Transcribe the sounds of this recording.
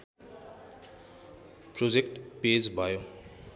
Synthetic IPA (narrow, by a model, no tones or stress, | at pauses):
pɾod͡ʒekʈpezbʱajo